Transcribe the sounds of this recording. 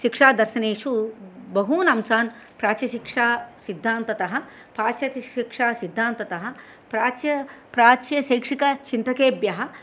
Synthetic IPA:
ʃikʂaːd̪ɐɾʃɐneːʂubɐɦuːnɐmsaːn | pɾaːt͡ʃjɐʃikʂaːsid̪ʱːaːnt̪ɐt̪ɐɦɐ̆ | paːt͡ʃjɐt̪iikʂaːsid̪ʱːaːnt̪ɐt̪ɐɦɐ̆ | pɾaːt͡ʃjɐpɾaːt͡ʃjɐʃɐjkʂikɐt͡ʃint̪ɾɐkeːbjɐɦɐ̆

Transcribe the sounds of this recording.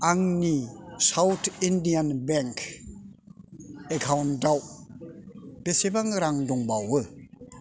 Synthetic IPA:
aŋnisawtʰindijanbɛŋkʰ | ekʰawndaw | b̥esebaŋɾaŋdɔŋbawɯ

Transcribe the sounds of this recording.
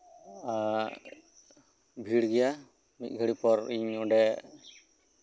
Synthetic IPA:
a | bʱiɽɡɛja | mit̪̚ˀɡʱəɽipɔɾiɲɔɖɛ

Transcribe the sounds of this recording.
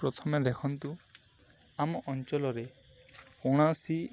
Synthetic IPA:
pɾɔt̪ʰɔmed̪ekʰɔnt̪u | amɔʔɔnt͡ʃɔlɔɾe | oɽ̃asi

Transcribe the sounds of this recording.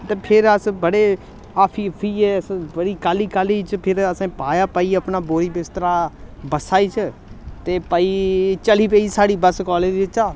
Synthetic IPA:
t̪eːpʰɪɾəsbəɽeː | aːpʰiːpʰiːɛːəsbəɽiːkaːliːkaːliːt͡ʃʰpʰɪɾəsãːpaːjaːpaiːəpnaːboːɾibɪst̪əɾaːbəsaːiːt͡ʃʰət̪eːpaiːt͡ʃəliːpeːisaːɽiːbəskɔːleːd͡ʒɪt͡ʃaː

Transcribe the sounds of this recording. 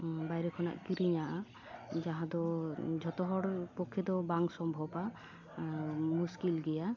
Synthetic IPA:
bajɾekʰɔna̰ʔkiɾiɲaʔa | d͡ʒaɦãd̪ɔd͡ʒʱɔt̪ɔɦɔɽpɔkʰːjed̪ɔbaŋsɔmbʱɔba | muskilɡija

